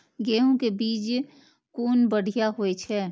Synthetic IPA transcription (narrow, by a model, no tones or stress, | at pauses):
ɡeːɦõkebiːd͡ʒ | kuːnbəɽ̤ʱijaɦoet͡ʃʰɛː